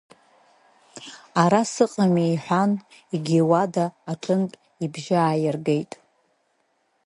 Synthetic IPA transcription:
aɾasɨqʼamijħʷᶣan | iɡʲewadaːʈ͡ʂʰʼɨnpʼ | ibʒaaːjɪrɡe̞jtʼ

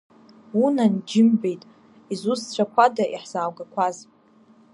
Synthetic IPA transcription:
unand͡ʒɪmbe̞jtʼ | izust͡ɕʷʰakʷʰadaʔiħz̥aːwɡakʷʰaz

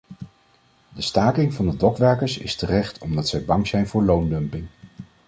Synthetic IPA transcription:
dəstaːkɪŋvɑndədɔkʋɛɹkəɹsɪ̰stərɛχtʰɔmdɑtsɛjbɑŋzɛjnvʊːɹlowndɵmpɪŋ

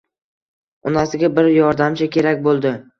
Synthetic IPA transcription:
ʊnasɪɡʲabɪɾjɒɾd̪amt͡ʃʰakʲʰe̞ɾakʲbolˠd̪ɪ

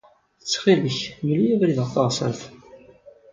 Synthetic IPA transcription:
ət͡sːχiləçməlijævɾiðət̪ˤːɑʁsˤə̰ɾθ

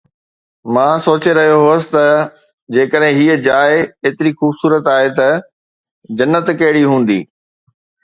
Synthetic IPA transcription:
mãːsoːt͡ɕeɾɐɦijoɦʊəsɪ̥̆t̪ɐ | d͡ʑeːkəɗɦɪ̃ɦiːəd͡ʑaːɪeːt̪ɪɾixuːbsuːɾət̪aːɦet̪ɐ | d͡ʑɐnːət̪kɐɪɽiɦũːn̆d̪ḭː

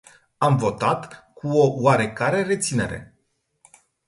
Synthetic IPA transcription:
amvo̞t̪at̪kuo̞waɾe̞kaɾe̞re̞t̪sine̞ɾe̞̰

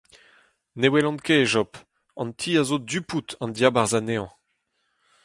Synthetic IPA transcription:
newɛlɑ̃nkeʒɔp | ɑ̰̃nt̪ʰiːazodyput̪ɑ̃nd̪jabaʁzaneɑ̃

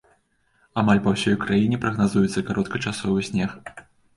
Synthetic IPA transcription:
amalʲpɐwsʲɔjkɾajinʲɛpɾɐɣnazujɛt̪sːɐkaɾɔt̪̚kɐt͡ʂasɔvɨsʲnʲɛx

